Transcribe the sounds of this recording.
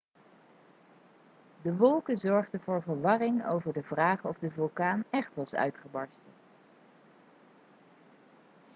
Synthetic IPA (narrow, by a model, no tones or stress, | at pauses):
dəʋɔlˠkəzɔɹχdəvʊːɹvəɹʋɑrɪŋo̰wvəɹdəvraːχɔvdəvylˠkaːnɛχtʋɑsœ̰ɥtχəbɑɹstə